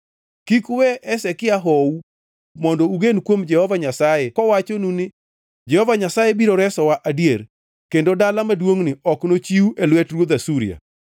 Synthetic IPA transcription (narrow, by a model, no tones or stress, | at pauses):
kikwɛʔɛsɛkɪaɦɔu | mɔndɔuɡenkwomd͡ʒɛhɔvaɲasajɛkɔwat͡ʃonunɪ | d͡ʒɛhɔvaɲasajebiɾoɾɛsɔwaʔadieɾ | kendodalamadwoŋnɪɔknot͡ʃiuʔelwɛtrwod̪asuɾḭja̰